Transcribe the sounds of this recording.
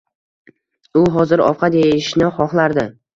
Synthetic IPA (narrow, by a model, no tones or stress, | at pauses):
ʊɦɒzɪɾɒ̰fqʰɑd̪ejɪʃnɪχɒχlˠaɾd̪ɪ